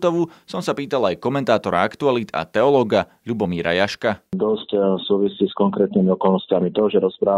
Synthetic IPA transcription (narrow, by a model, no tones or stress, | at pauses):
t̪ɔʋusɔmsapiːt̪alajkɔmɛnt̪aːt̪ɔɾa̰akt̪ualid̪a̰t̪ɛɔlɔːɡa | ʎubɔmiːɾa̰jaʃkad̪ɔscsuːʋisiːskɔŋkɾɛːt̪nimiɔkɔlnɔscɪamit̪ɔʒɛɾɔspɾaː